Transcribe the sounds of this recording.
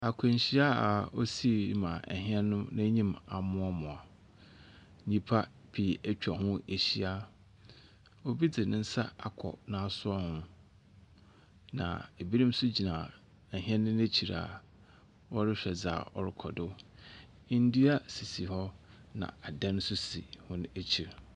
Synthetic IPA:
a˨kʰʊ̃˨ɲ˨ɕi˦a˦a˨ɔ˦si˦˨˦mã˨ɛ̰˨ɦɪ̃˦ɛ˦nʊ̃˦nã˦ɲĩ˦ma˨mʊ̃˦ɔ˦mʊ̃˨a˨˦ | ɲĩ˦pʰa˦ | pʰi˨æ˦t͡ɕᶣa˨ɦʊ̃˦e˨ɕi˦a˦ | o˦bi˦dɪ˨nɪ̃˦n̩˦sa˦a˨kʰɔ̰˨nã˨˦a˦˨sʊ˦ɔ˦hʊ̃˦ | nã̰˨e˨bi˦ɾĩ˦m˦sʊ˦d͡ʑi˨nã˨ | ɛ˨ɦɪ̃˦ɛ̃˦nːʊ̃˦ne˦t͡ɕʰi˨ɾa̰˨ | wɔ˦ɾɪ˦ɕᶣɛ˨d͡za̰˨ɔ̰˦ɾɪ˦kʰɔ˨dʊ˦ | n̩˦di˦a˦si˨si˨hɔ˦ | nã̰˨a˨dã˦n˦sʊ˦sḭ˨hʊ̃˦ne˦t͡ɕʰi˨ɾ

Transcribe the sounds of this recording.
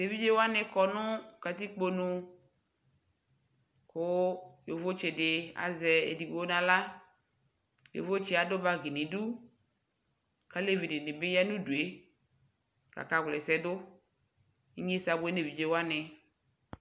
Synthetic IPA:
de˨vi˦d͡ʒe˦wa˦nɪ˨kɔ˨nʊ̃˦ka˨t̪i˦k͡po˦nũ˧ | kʊ˦jo˨vo˦t͡ʃɪ˨dɪ˨a̰˨zɛ˨ḛ˨di˨ɡ͡bo˦nã˨la˦ | jo̰˨vo˦t͡ʃɪ˦a˨dʊ˦ba˦ɡi˨nɪ̃˨du˦ | ka˦le˦vi˨dɪ˨nɪ˨bɪ˦ja˦nũ˦du˨e˨˦ | ka̰˨ka˨ɡlɛ˨sɛ˨dʊ˦ | i˦ɲ˦e˦sa˨bʊ˨˦e˦ne˨vi˨d͡ʒe˨wa˦nɪ˨

